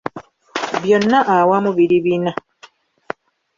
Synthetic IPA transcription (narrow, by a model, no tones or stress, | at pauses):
βjonːaʔawamuβiɾiβina